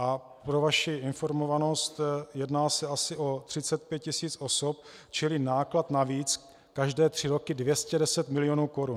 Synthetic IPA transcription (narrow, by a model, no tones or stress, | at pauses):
ʔa | pɾovaʃɪɪnfo̞ɾmo̞vano̞st̪jɛdnaːsɛasɪʔo̞t̪r̝̥ɪt͡sɛt̪̚pjɛt̪̚cɪsiːt͡sʔo̞sop̚ | t͡ʃɪlɪnaːklat̪naviːt͡s | kaʒdɛːt̪r̝̥ɪɾo̞kɪdvjɛscɛdɛsɛt̪mɪlɪjonuːko̞ɾun